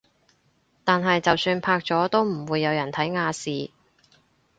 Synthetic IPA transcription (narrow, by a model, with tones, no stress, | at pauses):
t̪aː˨nɦɐ˨jt͡sɐ˨wsyː˧npʰaː˧k̚t͡sɔː˨˥t̪o˥wm̩˨˩wuː˨˧jːɐ˨˧wjɐ˨˩nt̪ʰɐ˨˥jŋaː˧siː˨